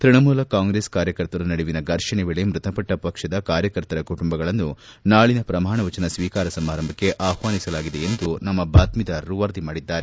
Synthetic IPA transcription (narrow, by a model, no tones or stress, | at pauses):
t̪ɾiɳɐmuːlɐkaːŋɡɾe̞ːskaːɾjɐkɐɾt̪ɐɾɐnɐɽiʋinɐɡɐɾʂɐɳeʋiɭemɾut̪ɐpɐʈːɐpɐkʂɐd̪ɐkaːɾjɐkɐɾt̪ɐɾɐkuʈumbɐɡɐɭɐnːunaːɭinɐpɾɐm̤aːɳɐʋɐt͡ʃɐnɐsʋiːkaːɾɐsɐmaːɾɐmbʱɐkːe̞ʔaːhʋaːnisɐlaːɡid̪e̞ːnd̪unɐmːɐbaːt̪mid̪ɐɾuʋɐɾd̪imaːɽid̪ːaːɾe̞